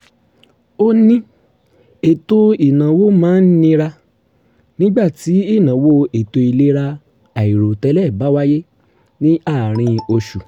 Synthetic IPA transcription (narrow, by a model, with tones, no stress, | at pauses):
o˦nĩ˦ | e˨to˧i˨nã˨wo˦mãː˦n̩˦nĩ˧ɾa˧ | nĩ˦ɡ͡ba˦˨ti˨˦i˦˨nã˨wo˦e˨to˧i˧le˦ɾa˧ | a˨i˨ɾo˨tɛ˨˧˦lɛ˦˨ba˨˦wa˦je˦ | nĩ˦ʔa˦˨ɾ̃ĩ˧o˧ʃu˨